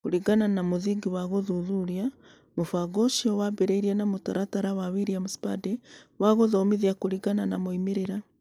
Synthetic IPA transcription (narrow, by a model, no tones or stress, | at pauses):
kuɾiɡananamoðiɡiwaɣoðuðuɾja | mofaɡoʃiowabeɾeiɾanamotaɾataɾawaβiɾiamuspadewaɣoðomiðiakuɾiɡananamoimeɾeɾa